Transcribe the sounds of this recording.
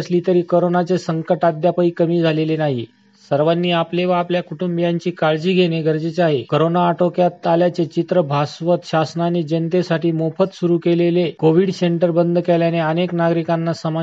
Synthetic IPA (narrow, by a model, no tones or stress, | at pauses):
sliːt̪əɾiːkoɾonat͡sesəŋkəʈad̪japəiːkəmiːd͡zʱalelenaɦḭ | səɾʋanːiːapleʋaːpljakuʈumbijãɲt͡ɕiːkaɭd͡ʑiːɡʱeneɡʱəɾd͡ʑet͡ɕaɦekoɾonaːʈokjat̪ːaljat͡set͡ɕit̪ɾəbʱasʋət̪ɕasnaned͡ʑənt̪esaʈʰiːmofət̪suɾuːkelelekoʋiɽseɳʈəɾbənd̪ʱəkeljaneəneknaɡɾikanːasəma